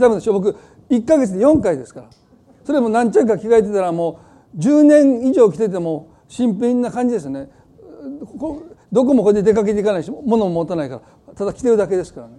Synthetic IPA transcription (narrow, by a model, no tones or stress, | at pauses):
t̪abɯ̟nd̪eɕobo̞k̬ɯ̟ | ikːaɡe̞t͡sɨd̪e̞jõ̞ŋkaid̪e̞sɨ̥kaɾa | so̞ɾemonãɲt͡ɕaɯkakʲiɡaet̪̬e̞t̪aɾamo̞ː | d͡ʑɨːnẽ̞ŋiʑo̞ːkʲi̥t̪e̞t̪̬e̞mo | ɕĩmpẽnːakãɲ̟d͡ʑid̪e̞s̬ɨjne | kod̪o̞k̬o̞mokod̪ed̪e̞kak̬e̞t̪eikanaiɕimo̞no̞momot̪ːanaikaɾa | t̪ad̪akʲi̥t̪e̞ɾɯ̟d̪ake̞d̪e̞sɨ̥kaɾane